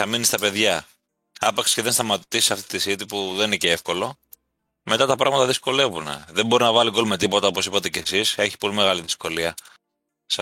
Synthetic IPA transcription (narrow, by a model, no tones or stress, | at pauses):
θɐminist̪ɐpe̞ðʝɐ | ɐpɐkssceðenst̪ɐmɐt̪ot̪isisɐft̪i̥t̪isit̪ipuðeniceefko̞lo̞ | me̞t̪ɐt̪ɐpɾɐɣmɐt̪ɐðisko̞le̞vunḛðe̞bo̞ɾinɐvɐliko̞lmet̪ipo̞t̪ɐo̞po̞sipɐt̪e̞ce̞sise̞çi̥po̞lime̞ɣɐliðisko̞liɐ | s